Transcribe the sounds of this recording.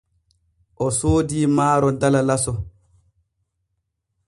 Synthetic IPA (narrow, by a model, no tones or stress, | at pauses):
ʔɔsoːdiːmaːɾɔdalalasɔ